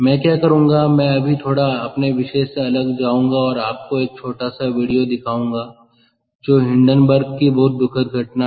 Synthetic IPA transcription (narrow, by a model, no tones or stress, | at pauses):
mɛ̃ːkjaːkɐɾũːŋɡamɛ̃ɐbʱit̪ʰoːɽaɐpneʋɪʃeseɐləɡd͡ʒaːũːŋɡaɔːɾaːp̚koeːk̚t͡ʃʰoːʈasaʋiːɽijod̪ɪkʰaːũːŋ̆ɡaː | d͡ʒoːɦɪ̃ɳɖənbəɾɡkibɐɦʊt̪̚d̪ʊkʰət̪̚ɡʱɐʈna